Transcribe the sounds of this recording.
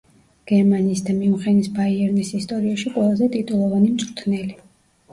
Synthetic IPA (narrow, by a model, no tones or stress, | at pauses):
ɡ̥ɛɾmaniːsd̪amiuχɛnisbaiɛɾnisist̪ʼɔɾiaʃiqʼwɛlˠazɛt̪ʼit̪ʼulˠɔvanimt̪sʼɾt̪ʰnɛli